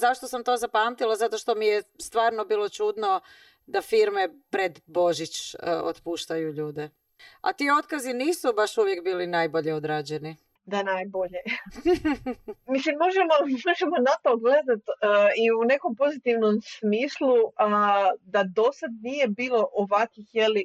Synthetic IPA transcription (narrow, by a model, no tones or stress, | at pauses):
zaʃt̪o̞samt̪o̞zapamt̪ilˠazat̪o̞ʃt̪omijest̪ʋaːɾnobiːlˠo̞t͡ʃud̪no | d̪afiɾmepɾed̪bo̞ʒit͡ʃo̰t̪puːʃt̪ajuʎuːd̪e | a̰t̪io̞t̪kaziniːsubaʃuʋjekbiːlinajbo̞ʎeod̪ɾaːd͡ʑeni | d̪anajbo̞ʎe | mislimmo̞ʒemo̞moʒemonat̪o̞ɡle̞d̪at̪əiune̞ko̞mpo̞zit̪iʋnomsmiːslˠuəd̪ad̪o̞sad̪̚nije̞biːlˠo̞ʔoʋakixjeli